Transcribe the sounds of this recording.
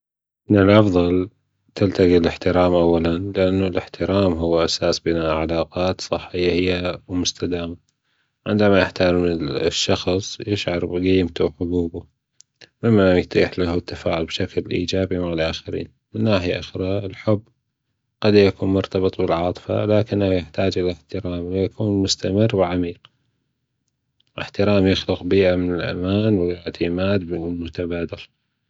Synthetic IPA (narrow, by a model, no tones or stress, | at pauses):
mɪnɪlʔɑfðˤɑl | t̪ɪlt̪aɡilɪħt̪ɪɾaːmʔawːalanlɪʔanːulɪħt̪ɪɾaːmɦʊwːʔasaːsbɪnaʕalaːqɑːt̪sˤɨħːɪjːahɪjːawmʊst̪ad̪aːma | ʕɪ̰nd̪amajɪħt̪aɾɪmʃːɑxsˤjɪʃʕɑɾˤbɡiːmt̪awħʊɡuːbu | mɪmːajt̪ˤiːħlaht̪ːafaːʕʊlbʃaklʔḭːd͡ʒaːbimaʕlʔaːxɪɾḭːn | mɪnːaːħɪjaʔʊxɾɑɪlħʊbː | ɡ̥ad̪jakuːnmʊɾt̪ɑbɨt̪ˤbɪlʕɑːt̪ˤɨ̥fa̰laːkɪnːahjɪħt̪aːd͡ʒʔɪlɪħt̪ɪɾaːmlɪjakʰuːnmʊst̪amɪrːwɪʕamiːq | ʔɪ̰ħt̪ɪɾaːmjɪxlɪqbiːʔamɪnɪlʔa̰maːnwɪjɪʕt̪ʰɪmaːd̪bɪmʊt̪abaːd̪ala